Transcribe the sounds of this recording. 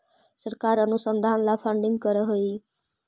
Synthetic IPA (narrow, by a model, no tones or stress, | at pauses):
sʌrkaɾʌnusʌnd̪ʱanlapʰʌɳɖiŋkʌɾʌɦoj